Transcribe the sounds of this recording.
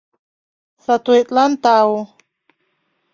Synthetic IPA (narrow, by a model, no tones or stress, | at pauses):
sat̪uit̪ʼlant̪au